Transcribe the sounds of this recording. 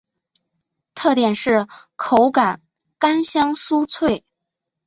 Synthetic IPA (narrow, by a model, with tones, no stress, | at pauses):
t̪ʰɤ˥˩t̪jɛ˨˩nʂɻ̩˥˩ | kʰo˧˥ʊka˨˩˦n | ka˥nɕjɑ˥ŋsu˥t͡sʰwe˥˩ɪ